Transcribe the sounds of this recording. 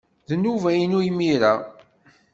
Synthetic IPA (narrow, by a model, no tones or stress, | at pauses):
ðnːuvæjənujmiɾæ